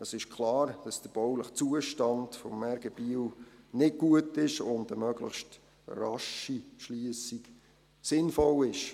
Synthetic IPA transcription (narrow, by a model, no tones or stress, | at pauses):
əsɪʃkʰlɑːɾd̥ɑsd̥əɾb̥ɔwləχt͡suəʃtɑndfɔmːɛɾɡ̥əb̥iwnɪt̚ɡ̥uətɪʃʊndəmœɡlə̰χʃt | rɑʃiʃliəsik | sɪnfɔlɪʃ